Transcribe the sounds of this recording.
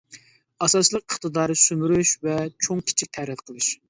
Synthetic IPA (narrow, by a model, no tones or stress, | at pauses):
ɑsɑt͡ʃlˠəqəχt̪ɨd̪ɑːɾɨsymyɾyʃvɛt͡ʃʰoŋkʲʰi̥t͡ʃʰik̚ʲt̪ʰæɾɛt̪qʰəlˠɨʃ